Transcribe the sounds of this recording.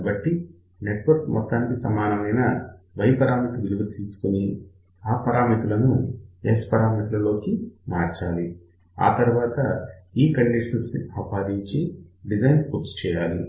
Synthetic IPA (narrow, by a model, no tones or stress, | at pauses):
ɐbɐʈːi | neʈʋɐɾkmɔt̪ːaːnkisɐmaːnɐmɐjnɐ | ʋɐjpɐɾaːmit̪uʋiluɡɐt̪iːsu̥kuni | aːpɐɾaːmit̪ulɐnuespɐɾaːmiːt̪ulɐlo̞ːkimaːɾt͡ʃaːli | a̰ːt̪ɐɾuʋaːt̪ɐiːkɐɳɖiːʂɐnsɐpaːd̪iɲt͡ʃiɖid͡ʒɐjnkuɾst͡ʃɛːjaːlḭ